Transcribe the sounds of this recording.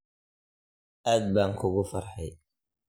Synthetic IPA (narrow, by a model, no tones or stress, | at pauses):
ʔaːd̪̚baːŋkʰʊɣʊfɐrħɛj